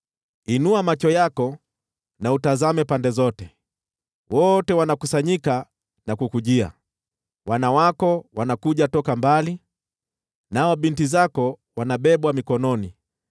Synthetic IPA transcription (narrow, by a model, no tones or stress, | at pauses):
inuamat͡ʃɔjakɔ | nautazamɛpandɛzɔtɛ | wɔtɛwanakusaɲika | nakukuʄia̰ | wanawakɔwanakuʄatɔkambali | naɔɓintizakɔ | wanaɓɛɓwamikɔnɔni